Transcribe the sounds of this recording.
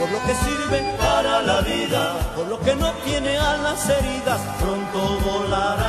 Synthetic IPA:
poɾlo̞ke̞siɾβe̞ŋpaɾalaβiðapo̞ɾlo̞ke̞no̞t̪je̞ne̞alase̞ɾiðaspɾont̪oβolaɾa

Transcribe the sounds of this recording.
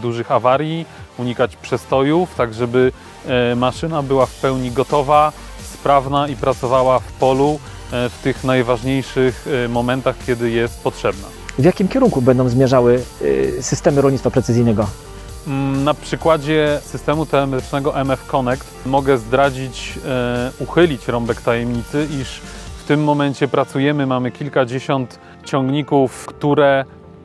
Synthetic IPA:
d̪uʐɘxavaɾʲjiuɲikat͡ɕpʂɛst̪ɔjuft̪aɡʐɛbɘ | maʂɘnabɘwafpɛwɲiɡɔt̪ɔva | spɾavnaipɾat̪sɔvawafpɔlu | ft̪ɘxnajvaʐɲejʂɘxmɔmɛnt̪axkʲjɛd̪ɘjɛst̪̚pɔtʂɛbna̰ | vjakʲimkʲɛɾuŋkubɛnd̪ɔ̃w̃zmʲjɛʐawɘsɘst̪ɛmɘɾɔlɲit̪fapɾɛt̪sɘzʲijnɛɡɔ | napʂɘkwad͡ʑɛsɘst̪ɛmut̪ɛlɛmɛt̪ɘ̥t͡ʂnɛɡɔʔɛmɛfkɔnɛkt̪mɔɡɛzd̪ɾad͡ʑit͡ɕ | uxɘlʲit͡ɕɾɔmbɛkt̪ajɛmɲit̪sɘiʂft̪ɘmːɔmɛɲt͡ɕɛpɾat̪sujɛmɘmamɘkʲilkad͡ʑeɕɔnt̪ | t͡ɕɔŋɡɲikufkt̪uɾɛ

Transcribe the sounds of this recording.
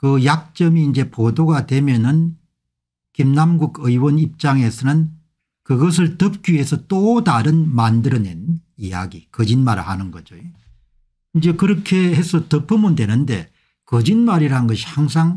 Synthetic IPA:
kɯjak̚t͡ɕ͈ʌmiːnd͡ʑe̞podoɡadwe̞mjʌnɯn | kimnamɡuɡɯiwʌnip̚t͡ɕ͈aŋe̞sʰʌnɯn | kɯɡʌs̬ʰɯɭtʌp̚k͈ɥiɦe̞sʰʌt͈otaɾɯnmandɯɾʌne̞nija̰ɡikʌd͡ʑinmaɾɭhanɯnɡʌ̰d͡ʑoje | ind͡ʑe̞kɯɾʌkʰe̞hesʰʌtʌpʰɯmɯndwe̞nɯnde̞̰ | kʌd͡ʑinmaɾiɾaɦɯnɡʌɕʰi̥haŋs̬ʰaŋ

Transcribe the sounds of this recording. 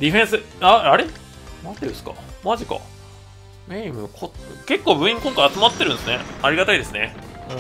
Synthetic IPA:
d̪ʲiɸẽ̞ɰ̃sɨaaɾe | nat̪ːeɾɯ̟sɨ̥ka̰maʑika̰ | meimɯ̟kʰoke̞kːo̞ːbɯ̟̃ĩŋkõŋkaiat͡sɨmat̪ːe̞ɾɯ̟̃nsɨne̞aɾʲiɡat̪aid̪e̞sɨnẽ̞

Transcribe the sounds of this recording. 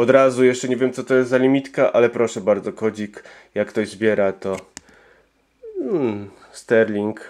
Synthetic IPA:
ɔd̪ɾazujɛʂt͡ʂɛɲevʲjɛmt̪sɔt̪ɔjɛst̪zalʲimʲit̪kaʔalɛpɾɔʂɛbaɾd̪zɔkɔd͡ʑik | jakːt̪ɔʑzbʲjɛɾat̪ɔ | st̪ɛɾlʲiŋk

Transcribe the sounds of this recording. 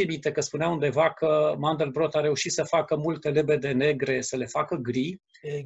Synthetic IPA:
emit̪ekəspuneaund̪e̞vakəmand̪elbɾo̞t̪aɾe̞uʃit̪səfakəmult̪e̞le̞be̞d̪e̞ne̞ɡɾe̞səle̞fakəɡɾi

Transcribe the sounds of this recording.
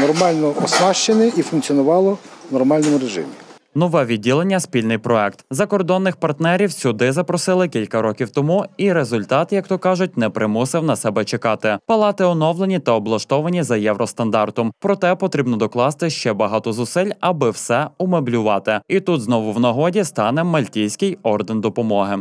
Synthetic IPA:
nɔrmɑlʲnɔɔsnɑʃt͡ʃenɪifʊnk̪t͡sʲiɔnʊʋɑlˠɔnɔrmɑlʲnɔmʊɾeʒɪ̰mʲi | nɔʋɛʋʲid̚ʲːilˠenʲːɐsʲpʲilʲnɪjpɾɔɛkt̪zɐkɔrd̪ɔnːɪxpɐrt̪nɛɾʲiwsʲʊd̪ɪzɐpɾɔsɪlˠɪkʲilʲkɐɾɔkʲiwt̪ɔmuiɾezʊlʲt̪ɑt̪ɪjɐkt̪ɔkɑʒʊt̚ʲnɛpɾɪmusɪwnɐsɛbɛt͡ʃekɑt̪ɪpɐlˠɑt̪ɪɔnɔwlˠenʲit̪ɐɔblˠɐʃt̪ɔʋɐnʲizɐjɛwɾɔst̪ɐnd̪ɑrt̪ɔmpɾɔt̪ɛpɔt̪ɾʲibnɔd̪ɔklˠɑst̪ɪʃt͡ʃɛbɐɦɑt̪ɔzʊsɪlʲɐbɪwsɛʊmeblʲʊʋɑt̪ɪit̪ut̪znɔʋʊwnɐɦɔdʲist̪ɑnɛmɐlʲtʲijsʲkɪjɔrd̪end̪ɔpɔmɔɦɪ

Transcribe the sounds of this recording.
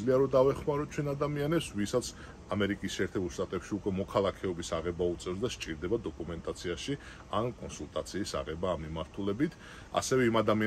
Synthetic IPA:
liaɾɔd̪avɛχmaɾɔt͡ʃʰwɛnad̪amianɛpsvisat̪sʰ | amɛɾikʼisʃɛɛːɾt̪ʰɛbulˠʃt̪ʼat̪ʼɛpʃiukʼwɛmɔkʰalˠakʰɛɔbisaʁɛbaut̪sʼɛvs̬d̪aʃt͡ʃʼiɾd̪ɛbad̪ɔkʼumɛnt̪ʼat̪sʰiaʃi | ankʼɔnsulˠt̪ʼat̪sʰiːsa̰ʁɛbaːmːimaɾt̪ʰulɛbit̪ʰ | a̰sɛvɛimad̪amia

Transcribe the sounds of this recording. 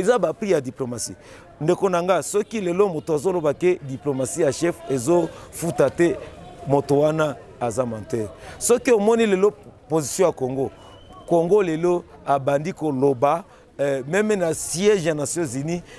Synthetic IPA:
ezabapʁijadiplomasḭ | ndekonaŋɡasɔkilelomotoazolobakediplomasijaʃɛfezofutatɛmotowana | azamãtɛsɔkiomɔnilelopozisjɔ̃jakoŋɡo | koŋɡoleloabandikoloba | mɛmɛnasiɛʒanasjɔ̃zini

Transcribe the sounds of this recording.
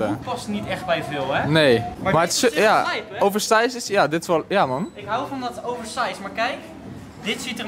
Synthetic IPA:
əpɔstnitɛχt̚bɛjvɪlˠɛnejmmatsjaowvəɹstajsɪsjadɪtɪ̥sʋɔljamɔnɪkɦawvɔndɔtowvəɹsajsmaːɹkɛjk | dɪtsitə

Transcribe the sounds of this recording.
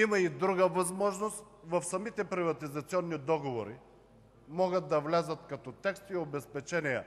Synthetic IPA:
imɐid̪ɾuɡəvɐzmɔʒnost̪ | vɐfsɐmit̪ɛpɾivɐt̪izɐt̪siɔnːid̪ɔɡovoɾḭ | mɔɡət̪̚d̪ɐvlʲazət̪kɐt̪ɔt̪ɛkst̪iobɛspɛt͡ʃɛniɛ

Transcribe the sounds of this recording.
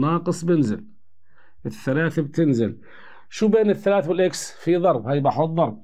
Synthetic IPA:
nɑːqɨsˤbɪnzɪ̰l | ʔɪθːalaːθabt̪ɪnzɪl | ʃuːbeːnɪθːalaːθwɪlʔaksfiðˤɑɾˤbhaːjbaħʊt̪ˤðˤɑɾˤb̚

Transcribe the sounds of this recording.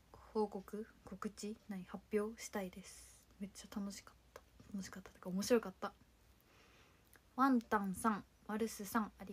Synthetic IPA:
ho̞ːko̞kɯ̟ko̞kɯ̟t͡ɕinaɲ̟ihapʲjo̞ːɕi̥t̪aid̪e̞sɨ̥me̞t͡ɕːat̪ano̞ɕi̥kḁt̪ːḁt̪ano̞ɕi̥kat̪ːat̪ekaomo̞ɕiɾo̞kat̪ːa | βãnt̪ãɰ̃sãŋ | βaɾɯ̟sɨsãŋaɾʲi

